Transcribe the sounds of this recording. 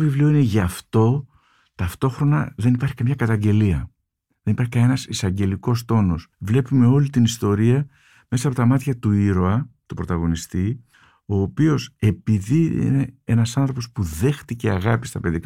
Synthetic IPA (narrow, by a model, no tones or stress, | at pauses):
ovivlio̞ine̞ʝɐft̪o̞ | t̪ɐft̪o̞xɾo̞nɐðe̞nipɐɾçi̥kɐmɲɐkɐt̪ɐɲɟe̞liɐ | ðe̞nipɐɾçikɐe̞nɐsisɐɲɟe̞liko̞s̬t̪o̞no̞svle̞pume̞o̞lit̪inist̪o̞ɾiɐ | me̞sɐːpo̞t̪ɐmɐt̪çɐt̪uiɾoɐt̪upɾo̞t̪ɐɣo̞nist̪i | o̞ːpio̞se̞piðiḭnee̞nɐsɐnθɾo̞po̞spuðe̞xt̪iceɐɣɐpi̥st̪ɐpe̞ðik